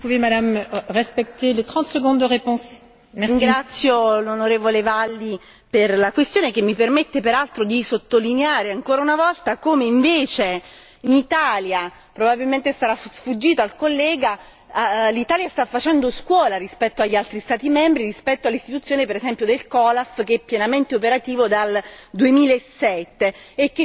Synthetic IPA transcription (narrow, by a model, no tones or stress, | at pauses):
upuvemad̪amʁɛspɛk̚t̪elet̪χɑ̃t̪səɡɔ̃d̪ːəʁepɔ̃s | mɛiŋɡɾat̪sːjolonoɾeːvolevalːi | perlakwest̪joːnekemːipermet̪ːepeɾalt̪ɾod̪isot̪ːolineaːɾeaŋkoːɾaunavɔlt̪akomeiɱveːt͡ʃe | init̪aːlja | pɾobabilment̪est̪aɾasfud͡ʒːiːt̪oalkolːɛːɡa | lit̪aːljast̪afːat͡ʃɛnd̪oskwɔːlaɾispɛt̪ːoaʎːalt̪ɾist̪aːt̪imɛmbɾirispɛt̪ːoalːist̪it̪ut̪sjoːnepeɾezɛmpjod̪elkɔːlafk̟eɛpːjenament̪eopeɾat̪iːvod̪ald̪uemiːlaesːɛt̪ːeːk̟ːe